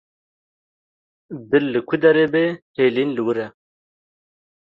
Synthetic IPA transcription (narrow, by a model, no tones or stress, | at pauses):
bɪlːɨkʰud̪ɐɾebeheːlinlɨwɨɾɛ